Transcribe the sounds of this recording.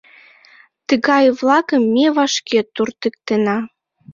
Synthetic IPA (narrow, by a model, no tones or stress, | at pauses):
t̪əɣɑjvlɑkəmːeβɑʃket̪urt̪ə̆k̚t̪enɑ